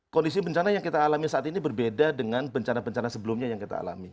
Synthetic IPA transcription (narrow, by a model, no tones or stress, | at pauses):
kɔndis̬ibəɲt͡ʃanajaŋkit̪aːlamisaʔat̪inibərbedadəŋanbəɲt͡ʃanabəɲt͡ʃanasəbəlʊmɲajaŋkit̪a̰ːla̰mi